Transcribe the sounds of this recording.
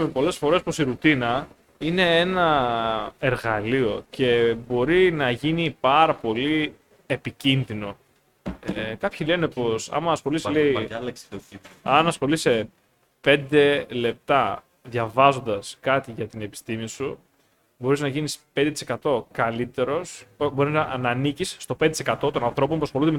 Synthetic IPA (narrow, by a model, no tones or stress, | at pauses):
mepo̞le̞sfo̞ɾe̞soposiɾut̪inɐ | ine̞e̞nɐ | e̞ɾɣɐlio̞ce̞bo̞ɾinɐʝinipɐɾɐpo̞li | e̞picinðino̞ | ekɐpçile̞ne̞po̞sɐ̰mɐsxo̞lisleilksoiɐnɐsxo̞lise̞ | pe̞nd̪e̞le̞p̚t̪ɐ | ðʝɐvɐzo̞nd̪ɐskɐt̪iʝɐt̪ine̞pi̥st̪imisu | bo̞ɾiznɐʝinispe̞nd̪et̪ise̞kɐt̪o̞kɐlit̪e̞ɾo̞sbo̞ɾinɐnɐnicisːt̪o̞pend̪et̪sekɐt̪o̞t̪onɐnθɾo̞po̞mpɾoxolund̪eme